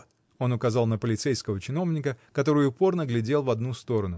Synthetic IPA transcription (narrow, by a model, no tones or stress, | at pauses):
o̞nʊkɐzɑlˠnəpəlʲɪt̪sejskəvət͡ɕɪno̞vnʲɪkəkɐt̪o̞ɾɨjʊʊpo̞rnəɡlʲɪdʲe̞lˠvɐd̪nust̪o̞ɾənʊ